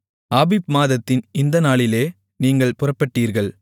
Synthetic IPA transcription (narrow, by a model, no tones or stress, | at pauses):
aːbɪp̚maːðɐt̪ːɪnɪnd̪ɐnaːɭɪleː | niːŋɡɐɭpʊrɐpːɐʈːiːɾɣɐɭ